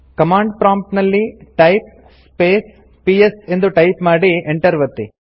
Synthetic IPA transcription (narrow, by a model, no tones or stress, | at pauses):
kɐmaːɳɖpɾaːmpʈnɐlːiʈɐjp̚ | speːs | piese̞nd̪uʈɐjpmaːɽieɳʈɐɾʋɐt̪ːi